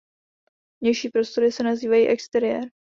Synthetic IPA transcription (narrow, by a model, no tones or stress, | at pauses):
vɲɛjʃiːpɾo̞st̪o̞ɾɪsɛnaziːvajiːʔɛkst̪ɛɾɪjɛ̰ɾ